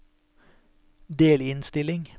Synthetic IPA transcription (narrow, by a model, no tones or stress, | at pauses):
d̪eːlɪnst̪ɪlɪŋ